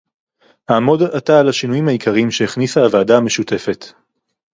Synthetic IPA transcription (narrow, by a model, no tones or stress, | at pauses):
haːmo̞dataːlaʃinujimhaikʰaʁimʃeeχnisaːvaːdaame̞ʃute̞fe̞t